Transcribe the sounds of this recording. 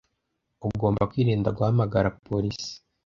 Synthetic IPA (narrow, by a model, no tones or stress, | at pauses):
uɡo̞ːmbakwiːɾeːndaɡwahamaɡaɾapʰoɾisi̥